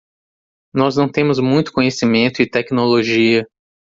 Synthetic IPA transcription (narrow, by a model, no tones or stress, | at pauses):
nɔznɐ̃w̃t̪ẽmʊzmũj̃t̪ʊ̥kõɲesimẽnt̪ʊɪt̪ɛknoloʒiɐ